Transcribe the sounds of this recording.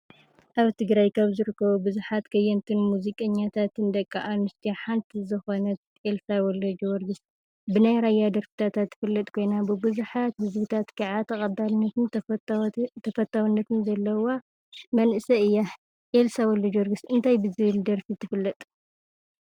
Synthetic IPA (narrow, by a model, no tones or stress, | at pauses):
ʔaβt̪ʰɨɡɾajkʰaβzɨɾɨkʰːɐβubɨzuħat̪kʰɐjɐnt̪ʰɨnmuzikʼɐɲːat̪ʰat̪ʰɨnd̪ɐkʼːaʔanɨst̪ʰijaħant̪ʰizɨxonɐt̪ | elsawɔlɐd͡ʒwɔɾɡɨs | bɨnajɾajad̪ɐɾfi̥t̪ʰat̪ʰat̪ʰːɨ̥fɨlːɐt̪ʼkʰo̞jnabɨbɨzuħat̪hɨzbɨt̪ʰat̪kʰaʕat̪ʰɐχʼɐbːalnːɐt̪ɨn | t̪ʰɐfɐt̪ʰːawunːɐt̪ʰɨnzɐlːɐwa | mɐnʔɨsɐɨjːa | ʔelsawɔlɐd͡ʒwɔɾɡɨsɨnt̪ʰajbɨzɨβɨld̪ɐɾfit̪ʰɨfɨlːɐt̪ʼ